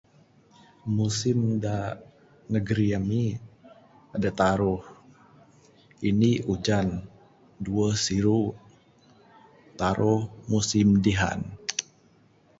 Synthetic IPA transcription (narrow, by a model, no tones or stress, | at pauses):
musɪmda | nəɡəɾiami | adat̪aɾʊh | iniʔud͡ʒan | duəsiɾu | t̪aɾʔʊhmusɪmdiɦa̰n